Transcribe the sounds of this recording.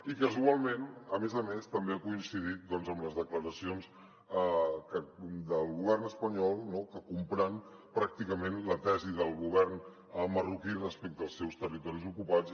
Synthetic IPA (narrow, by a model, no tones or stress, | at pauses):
ikəzualˠmẽnəmezəmest̪əmbeakuinsið̞it̪̚d̪ɔnzəmləzðəkləɾəsions | kəd̪əlˠɣuβ̞ɛrnəspəɲɔlˠnokəkumpɾɛnpɾak̚t̪ikəmenlət̪ɛziðəlˠɣuβ̞ɛrn | mərukirəspɛk̚t̪əːlˠsɛwst̪ərit̪ɔɾizukupat͡s